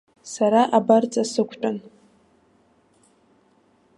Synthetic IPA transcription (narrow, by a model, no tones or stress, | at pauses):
saɾaʔabart͡sʼasɨkʷʰʼtʼʊn